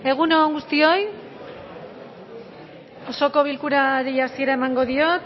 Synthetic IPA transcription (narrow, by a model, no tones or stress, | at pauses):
e̞ɣ̞unoŋɡust̪io̞j | oso̞ko̞βilkuɾaɾiasie̞ɾae̞maŋɡo̞ðio̞t̪